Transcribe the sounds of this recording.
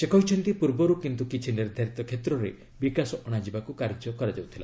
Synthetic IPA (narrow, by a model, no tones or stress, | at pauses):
sekɔɦit͡ʃʰɔnt̪ipuɾbɔɾukint̪ukit͡ʃʰiniɾd̪ʱaɾit̪ɔkʰet̪ɾɔɾe | bikasɔʔɔɽ̃ad͡ʒibakukaɾd͡ʒɔkɔɾad͡ʒawt̪ʰila̰